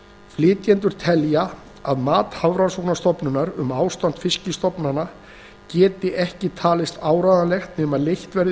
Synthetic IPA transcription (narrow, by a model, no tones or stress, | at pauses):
flɪːt̪jɛnt̪ʏɾ̥t̪ʰɛlja | aðmaːt̪havɾansɔwknast̪ɔpnʏnaɾʏmaːwst̪an̥t̪fɪscɪst̪ɔpnana | cɛːt̪ɪʔɛhcɪt̪ʰaːlɪst̪aːwɾaːðalɛxt̪nɛːmaðlejht̪vɛɾð